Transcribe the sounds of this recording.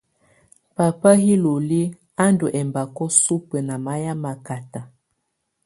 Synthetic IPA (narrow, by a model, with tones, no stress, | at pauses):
pa˨pa˦ɦi˦lo˨li˦ | a˦ndu˨ʔɛ˨mba˨kɔ˦su˦pə˨na˨ma˦ja˦ma˨ka˨ta˨